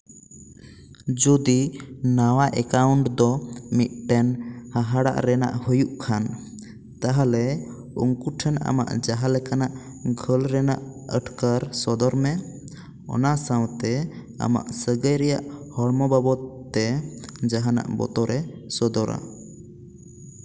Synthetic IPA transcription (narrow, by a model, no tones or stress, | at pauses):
d͡ʒɔd̪inawaʔɛkawɳʈd̪ɔmit̪̚ʈɛnhaɦaɽa̰ʔɾɛna̰ʔhujuʔkʰan | t̪aɦalɛ | uŋkuʈʰəna̰ma̰ʔd͡ʒaɦalɛkanaʔ | ɡʱəlɾɛnaʔəʈkaɾsɔd̪ɔɾmɛ | ɔ̰nasawt̪ɛ | a̰ma̰ʔsəɡəjɾɛjaʔhɔɽmɔbabɔt̪ːɛd͡ʒaɦana̰ʔbɔ̰t̪ɔɾɛsɔd̪ɔɾa̰